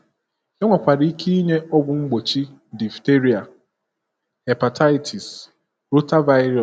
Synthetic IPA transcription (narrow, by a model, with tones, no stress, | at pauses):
e˦ŋʷa˨kʷa˨ɾi˦ki˦i˦ɲe˦ɔ˦bʊ˨ŋ͡m̩˦ɡ͡bo˨t͡ʃi˦ | di˨fte˦ɾi˨a˨ | he˨pa˨ta˦ɪ˦tʰi˨s | ɾo˦ta˦va˦ɾɔ˨